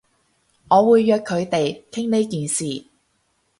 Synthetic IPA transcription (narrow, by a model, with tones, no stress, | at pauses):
ŋɔː˨˧wuː˨˧jːœː˨˧kʰːɵ˨˧ɥt̪e˨jkʰɪ˥ŋne˨˥jkiː˨nsiː˨˩